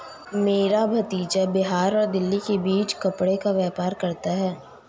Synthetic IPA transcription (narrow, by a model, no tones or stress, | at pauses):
meːɾabʱɐt̪iːt͡ʃabɪɦaːɾɔːɾd̪ɪlːikebiːt͡ʃkɐpɽekaʋɛːpaːɾkɐɾt̪aɦɛː